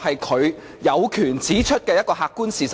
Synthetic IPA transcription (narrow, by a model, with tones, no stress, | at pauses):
hɐ˨jkʰɵ˨˧ɥ | jɐ˨˧wkʰyː˨˩nt͡siː˨˥t͡ʃʰɵ˥t̚kɛː˧jɐ˥t̚kɔː˧hɦaː˧kːuː˥nsiː˨˩s